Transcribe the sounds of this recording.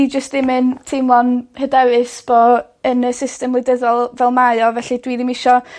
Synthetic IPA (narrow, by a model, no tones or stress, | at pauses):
id͡ʒəstɪmɨntʰɪmlˠɔnhədɛwɨsb̥ɔ | ənəsɪstɛmlˠʊjdəðɔlˠvɛlˠmaɨɔvɛɬidwiːðɪmɪʃɔ